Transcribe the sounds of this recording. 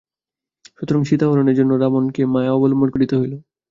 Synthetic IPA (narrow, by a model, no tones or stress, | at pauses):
ʃut̪oɾaŋʃit̪aboɾoneɾd͡ʑonːoɾamonkemaeɔbolmoɾkoɽit̪oɦojlo